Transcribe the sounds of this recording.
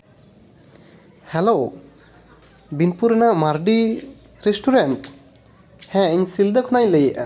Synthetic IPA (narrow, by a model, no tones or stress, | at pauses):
hɛlo | binpuɾɛnaʔmaɾɖi | ɾesʈʰuɾenʈ | hɛ̃əɲsild̪əkʰɔnajlejʔa̰